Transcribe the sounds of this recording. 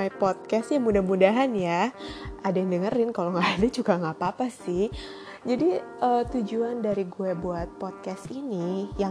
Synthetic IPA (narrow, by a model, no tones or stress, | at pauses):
aipɔt̪̚kɛst̪jaŋmudahmudaɦanjaadaɪŋdəŋəɾɪnkaloŋaadɛt͡ʃuɡaŋapaːpasɪh | d͡ʒadiʔət̪ud͡ʒuandaɾiɡuebuat̪̚pɔt̪̚kɛsinija